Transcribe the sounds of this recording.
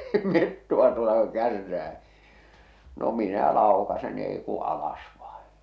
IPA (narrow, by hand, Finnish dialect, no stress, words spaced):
niː metːoɑ tuotɑ ku̥ kærːæː no minæ lɑˑokɑsen n̥i̥ eˑi ku ɑlɑs ʋɑẽː